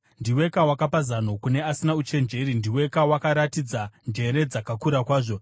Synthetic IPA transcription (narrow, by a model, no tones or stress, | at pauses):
ndiwe̞kawakapazano̞kune̞asinaut͡ʃe̞nd͡ʒe̞ɾindiwe̞kawakaɾatid͡zand͡ʒe̞ɾe̞d͡zakakuɾakwaːʐo̞